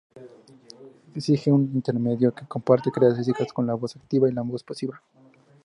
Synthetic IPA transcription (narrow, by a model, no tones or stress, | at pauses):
esixeunint̪e̞ɾme̞ðjokeko̞mpaɾt̪ekɾeasis̬ikasko̞nlaβo̞sak̚t̪iβailaβosposiβle